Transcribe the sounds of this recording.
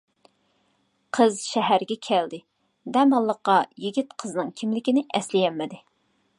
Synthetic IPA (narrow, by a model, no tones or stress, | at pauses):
qʰəzʃɛɦæɾɡʲɛkʲʰæld̪ɪ | d̪ɛmɑlˠːəqːɑjiɡʲit̪qʰəznɨŋkʲʰimlɪkʲinɪʔɛslɪjɛmːɪd̪ɪ